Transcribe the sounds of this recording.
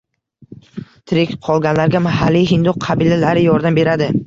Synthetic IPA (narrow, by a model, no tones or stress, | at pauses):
t̪ʰɾɪkʲqʰɒlˠɡʲanlaɾɡʲamaɦalːijɦɪnd̪ʊqqʰɑbilalaɾɪjɒɾd̪ambe̞ɾad̪ɪ